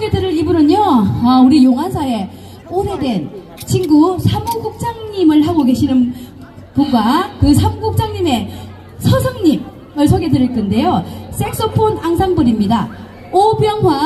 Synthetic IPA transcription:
oɡedɯɾɯɾibɯɾɯɲoʌuɾijoŋɦasʰae̞ | one̞dwe̞n | t͡ɕʰiŋɡusʰamuɡuk̚t͡ɕ͈aŋɲimɯɭhaŋoɡe̞ɕʰinɯn | puɡakɯsʰamuɡuk̚t͡ɕ͈aŋɲime̞ | sʰʌsʰʌŋɲim | ɯɭsʰoɡe̞dɯɾiɭk͈ɯnde̞jos͈ʰeks͈opʰonaŋsʰaŋbɯɾimɲida | objʌŋwa

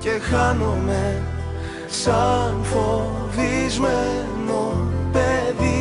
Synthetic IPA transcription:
cexɐnome | sɐnfoðizme | nopeði

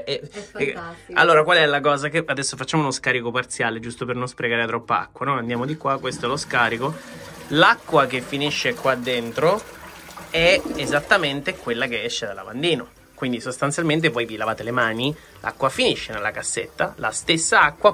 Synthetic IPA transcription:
ɛ | a̰lːoːɾakwalɛlakɔːzakeʔad̪ɛsːofat͡ʃːaːmounoskaɾikopart̪sjaːled͡ʒust̪opernonspɾeɡaːɾet̪ɾɔpːaa̰kːwanojand̪jaːmod̪ikwakːwest̪oɛloskaːɾiko | lakːwakefːiniʃːekwad̪ːent̪ɾo | ɛezat̪ːament̪ekwelːakeɛʃːed̪ala̰band̪iːno | kwind̪isost̪ant̪jalment̪̬evɔjvilavaːt̪elemaːni | la̰kːwafiniʃːenelːakasːet̪ːa̰la̰st̪esːaakːwa

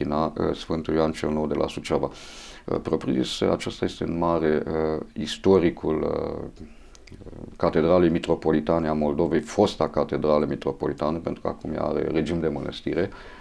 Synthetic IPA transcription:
inasfɨnt̪uljoant͡ʃelno̞wd̪e̞lʔa̰sut͡ʃavaə̰pɾo̞pɾḭsa̰t͡ʃest̪aje̞st̪eɨnmaɾe̞ist̪o̞ɾikʰul | kat̪e̞d̪ɾalejmit̪ɾo̞po̞lit̪aneamo̞ld̪o̞ve̞jfo̞st̪akat̪e̞d̪ɾalemit̪ɾo̞po̞lit̪anepent̪ɾuka̰kumja̰a̰ɾe̞̰ɾe̞d͡ʒimd̪e̞mənə̰st̪iɾe̞

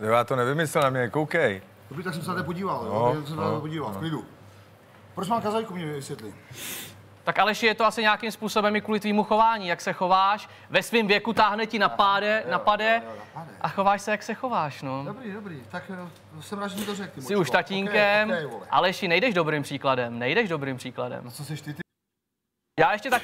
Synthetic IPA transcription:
jojaːt̪onɛvɪmɪsɛlnamɲɛkowkɛj | dobɾiːt̪aks̬ɛmsɛnat̪ɛpoɟiːvaljosɛmsɛnat̪ɛpoɟiːvaklɪdu | pɾot͡ʃmaːmkazajkumɲɛvɪsʋjɛt̪lɪ | t̪akʔalɛʃɪjɛt̪oasɪɲakɪmspuːsobɛmɪkuːlɪt̪viːmuxo̞vaːɲiːjaksɛxo̞vaːʃ | vɛsvɪmvjɛkut̪aːɦnɛcɪnapadɛnapadɛɛʔaxovaːʃsɛjaksɛxo̞vaːʃnodobɾiːdobɾiːt̪ak | sɛmɾaːʒɛɲɪt̪orɛk̚t̪ɪsɪuʃt̪aciːŋkɛmolɛʔalɛʃɪnɛjdɛʒdo̞bɾɪmpr̥iːkladɛmnɛjdɛʒdo̞bɾɪmpr̥iːkladɛ̰mt͡sosɛʃt̪ɪt̪ | jaːjɛʃcɛt̪a

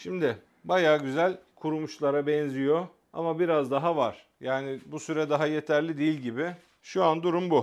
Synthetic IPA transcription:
ʃimd̪ɪ | bajaːɟyzælʲkʰuɾumuʃlˠaɾabɛnzijo̞ | a̰mabiɾazd̪aɦavaɾ̥ | jaːnɪbusyɾɛd̪aɦaje̞t̪ʰæɾlʲid̪ijilʲɟibɪ | ʃuand̪uɾumbu

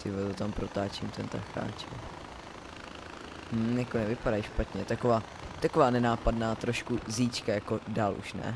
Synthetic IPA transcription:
t̪ɪvat̪ot̪ampɾot̪aːt͡ʃimt̪ɛnt̪a̰xa̰ːt͡ʃɛ | mm̩jakonɛvɪpadajʃpat̪ɲɛt̪akovaː | t̪ako̞vaːnɛnaːpadnaːt̪ɾo̞ʃkuziːt͡ʃkajako̞daːlʔṵʃnɛ̰

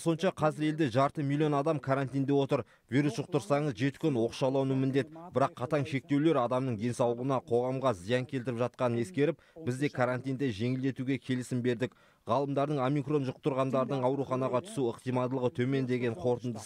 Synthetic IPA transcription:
so̞nʃɑqʰɑzɪɾe̞ld̪eʒɑɾt̪əmilʲːijo̞nɑd̪ɑmkʰaɾant̪ijnd̪e̞wo̞t̪əɾ | vijɾusʒʊq̚t̪əɾsɑɴəzʒe̞t̪ɪ̥kʲʰʏnwo̞qʃɑlˠɑwnəmɪnd̪e̞t̪bɪɾɑqʰːɑt̪ɑŋʃe̞k̚t̪e̞wle̞ɾɑd̪ɑmnəɴd̪e̞nsɑwlˠəʁənɑqʰo̞ʁɑmʁɑzijɑŋkʲʰe̞lt̪ɪɾɪpʒɑt̪̚qɑnəne̞skʲe̞ɾɪp̚bɪzd̪e̞kʰaɾant̪ijnd̪e̞ʒe̞ŋɪld̪e̞t̪uɡʲe̞kʲʰe̞lɪsɪmbe̞ɾd̪ɪk | ʁɑlˠəmd̪ɑɾd̪əɴo̞mikro̞nʒʊqt̪əɾʁɑnd̪ɑɾd̪əɴɑwɾuχɑnɑʁɑt̪ʰʏ̥suəq̚t̪ijmɑd̪əlˠəʁət̪ʰɵme̞nd̪e̞ɡʲe̞ɴqʰo̞ɾt̪ənd̪əs

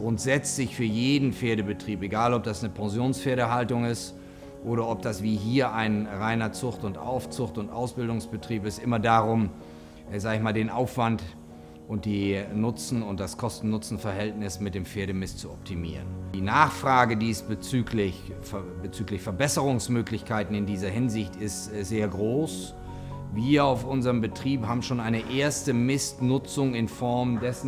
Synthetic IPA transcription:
ɡ̥ʁʊntz̥ɛt͡stlɪçfyːɐjeːdn̩feːɐɾəbətʁ̥iːpeɡaːlɔp̚d̥asnəpʰaŋzjoːnsfeːɐɾəɦaltʊŋɪst | ʔoːɾɐɔp̚d̥asv̥iːɦiːɐʔaɪnʁaɪnɐt͡sʊχtʊntʔa̰ʊft͡sʊxtʊntʔa̰ʊsb̥ɪldʊŋsb̥ətʁ̥iːpɪstʔɪmɐdaːʁʊm | zaːɡəçmaːldeːnʔaʊfv̥ant | ʔʊnt̚d̥iːnʊt͡sn̩ʊnt̚d̥askʰɔstn̩nːʊt͡sn̩fɛɐɦɛltnɪsmɪt̚d̥eːmfeːɐɾəmɪstt͡suɔp̚tʰimḭːʁəndiːnaːχfʁ̥aːɡədiːsb̥ət͡syːklɪç | bət͡syːklɪçfɛɐbɛsəʁ̞ʊŋsmøːklɪçkʰaɪtn̩ɪndiːzɐɦɪnzɪçtɪstz̥eːɐɡʁoːs | viːɐaʊfʔʊnzəʁəmbətʁ̥iːphaːbm̩ʃoːnʔaɪnəʔeːɐstəmɪstnʊt͡sʊŋɪnfɔɐmdɛsn̩

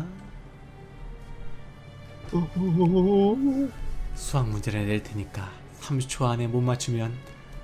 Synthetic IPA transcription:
sʰuɦaŋmund͡ʑeɾɯɭneɭtʰeɲik͈a | sʰamt͡ɕʰoane̞monmat͡ɕʰimjʌn

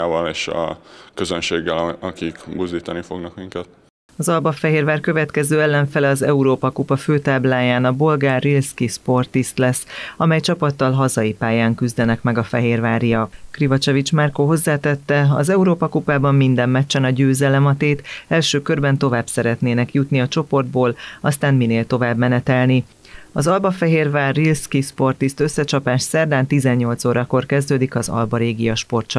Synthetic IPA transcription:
aːvɒleːʃɒ̰køzønʃeːɡːɛlɒkikbuzd̪iːt̪ɒnifo̞̰ɡnɒkmiŋkɛt̪̚ | ɒzɒlbɒfɛɦeːrvaːrkø̞vɛt̪kɛzøːɛlːɛɱfɛlɛɒzɛuɾoːpɒkupɒføːt̪aːblaːjaːnɒbo̞lɡaːrːilskispo̞rt̪ist̪lɛsːɒmɛjt͡ʃɒpɒt̪ːɒlɦɒzɒjipaːjaːŋkyzd̪ɛnɛkmɛɡɒfɛɦeːrvaːɾijɒkkrivɒt͡ʃovit͡ʃmarkoɦo̞zːaːt̪ɛt̪ːɛɒ̰zɛuɾoːpɒkupaːbɒmːind̪ɛmːɛt͡ʃːɛnɒɟøːzɛlɛmɒt̪eːt̪ɛlʃøːkørbɛnt̪o̞vaːbsɛɾɛt̪neːnɛkjut̪niɒt͡ʃo̞po̞rd̪̚boːlɒst̪aːnmineːlt̪o̞vaːbmɛnɛt̪ɛlni | ɒzɒlbɒfɛɦeːrvaːrːilskiʃpo̞rt̪ist̪ø̞sːɛt͡ʃɒpaːʃsɛrd̪aːnt̪izɛɲːo̞lt̪soːɾɒko̞rkɛzd̪øːd̪ikɒzɒ̰lbɒɾeːɡijɒʃpo̞rt̪t͡ʃɒ

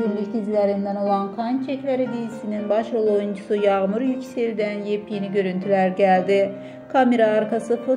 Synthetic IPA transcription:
ynlʲycd̪ʰizlʲæɾind̪æno̞lˠankʰant͡ʃʰɛclʲæɾid̪ijisininbaʃolˠojund͡ʒusujɑɣmuɾjycʲseld̪ænjepʰijiniɟø̞ɾynt̪ʰylʲæɾɟælʲd̪i | kʰameɾaːɾkʰasɯfo

